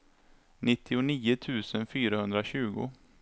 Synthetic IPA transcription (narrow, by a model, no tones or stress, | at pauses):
nɪt̪ʰːɪʊniːʊt̪ʰʉ̟ːsənfyːɾahɵnd̪ɾaɕʉ̟ːɡʊ̰